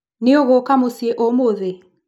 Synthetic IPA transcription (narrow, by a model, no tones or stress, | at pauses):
nɪɔɣɔkamosieʔɔmoðe